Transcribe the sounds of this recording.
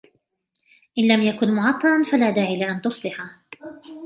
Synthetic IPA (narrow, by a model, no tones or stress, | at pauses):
ʔɪnlamjakʊnmʊʕɑt̪ˤːɑɾˤɑnfalaːd̪aːʕiːlaʔant̪ʊsˤlɪħa